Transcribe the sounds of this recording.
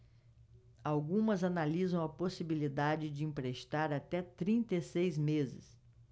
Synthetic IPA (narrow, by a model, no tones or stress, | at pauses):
awɡũmɐzanalizɐ̃w̃ɐposibilid̪ad͡ʒɪd͡ʒɪĩmpɾeʃt̪aɾat̪ɛt̪ɾĩnt̪esejzmezɪ̰s